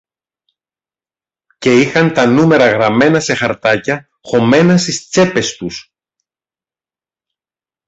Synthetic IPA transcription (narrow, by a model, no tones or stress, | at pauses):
ce̞ixɐnt̪ɐnume̞ɾɐɣɾɐme̞nɐse̞xɐɾt̪ɐcɐ | xo̞me̞nɐst̪ist͡se̞pe̞st̪us